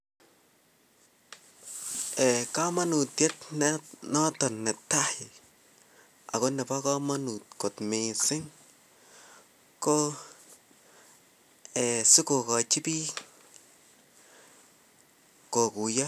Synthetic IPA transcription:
ɛ˨ka˦ma˦nu˨tjɛ˦tnɛ˦nɔ˦tɔ˨nːɛ˨tːa˦hɪ˨ | a̰˨ko˦nɛ˨pa˦ka˦ma˦nu˨t̚ko˨tmɪ˨sɪ˦ŋ | ko˦ | ɛ˨sɪ˦ko˨ka˨t͡ʃɪ˦pi˦ | ko˨ku˨ja˦

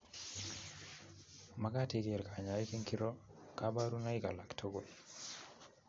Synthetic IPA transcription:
ma˦ka˦tɪ˦kɪ˨ɾka˨ɲa˨i˦ke˦ŋki˦ɾo˦ka˦ba˦ɾu˦na˦i˦ka̰˨la˨ktʰo˦ɡo˨l

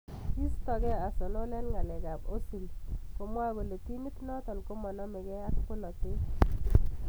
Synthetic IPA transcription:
ki˦stɔ˨kɛ˦a˨so˨no˦lɛ˦nŋa˨lɛ˨ɡa˨bo˦si˨lko˨mwa˦bo˨lo˨ti˦ni˦tnɔ˦tɔ˨lko˦mɔ˨nɔ˦mɛ˨kɛ˦a˦kko˦lɔ˨ke˦

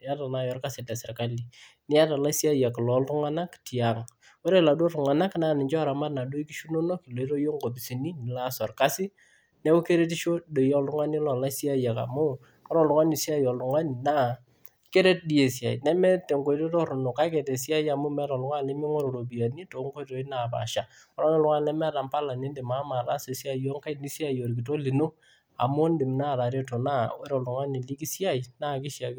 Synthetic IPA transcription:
a˦ta˨na˨jɔ˦rka˦sɪ˨tɛ˨sɛ˨ka˦li˨ | nɪ˦a˦ta˨la˦si˦a˦ja˨klɔ˨˦ltʊ˦ŋa˦na˦kti˨a˨ŋ | o˦ɾe˦la˨do˦tʊ˨ŋa˨na˦knaː˨nɪ˨ɲt͡ʃɔ˦a˨ɾa˨ma˦tna˨do˦i˦ki˦ʃu˦no˦no˦ki˨lo˨˦to˦jo˦ŋɡo˨p̬i˨si˨ni˦nɪ˨la˦sɔ˨rka˦sɪ˦ | nɛ˦u˦ke˦ɾe˦t̬i˦ʃo˦de˨jɔ˦ldʊ˦ŋa˦ni˦lɔ˨la˦si˦a˦ja˨ka̰˨mʊ˦ | ɔ˦ɾɔ˨lʊ˨ŋa˦ni˨si˦a˦jɔ˨lʊ˨ŋa˦ni˨na˦˨ | ke˦ɾe˦t̚di˨˦e˨si˨a̰˨jnɛ˦mɛ˦te˨ŋko˨jto˦tɔ˦ɾʊ˨no˨ka˦kɛ˨tɛ˨si˦a˦ja˨mu˦mɛ˦ɾɔ˨lʊ˨˦ŋa˦nɛ˦mi˦ŋo˦ɾo˨ɾo˨bi˨a˨ni˦to˨˦ŋko˦to˨˦ɪ˦na˨pa̰˨ʃa˨ | ɔ˦ɾɔ˦ne˦lʊ˦ŋa˦n˨nɛ˦mɛ˦ta˨mpa˦la˨ni˦ndɪ˨ma˦ma˨ɾa˦se˨si˦a˦˨˦ɔ˦ŋka˦ni˦si˦a˦˨jo˨ɾkɪ˨to˦li˨no˦ | a̰˨mʊ˦ndɪ˨mna˦˨ɾa˨ɾe˦to˨na˦ɛ˦ɾɔ˨lʊ˨ŋa˦ni˨li˦ki˦si˦a˦˨jna˦kɪ˦sja˨k

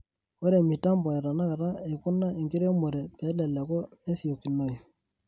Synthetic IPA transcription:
wɔ˦ɾe˨mi˨ta˦mbɔ˨ɛ˨ɾa˨na˦ka˨ɾa˦e˨kʊ˦na˦ɪ˨ŋkɪ˦ɾe˦mo˨ɾɛ˨pɛ˨˦lɛ˨lɛ˨kɔ˦ne˦si˨o˨kːi˨no˨i˨

